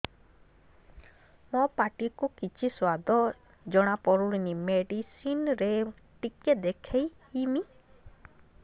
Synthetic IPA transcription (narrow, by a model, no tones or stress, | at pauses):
mɔpaʈikukit͡ʃʰiswad̪ɔ | d͡ʒɔɽ̃apɔɾuɽinimeɖisinɾe | ʈiked̪ekʰej | imi